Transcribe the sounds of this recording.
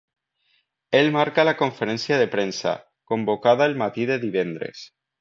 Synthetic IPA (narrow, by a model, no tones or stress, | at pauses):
elmaɾkalakoɱfeɾensjaðepɾensa̰ | kombokaðaelmat̪iðeðiβ̞end̪ɾḛs